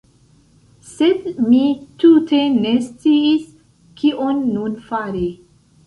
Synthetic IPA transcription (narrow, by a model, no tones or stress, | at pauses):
sedmitute̞ne̞st͡siːs | kiʔonːunfaɾi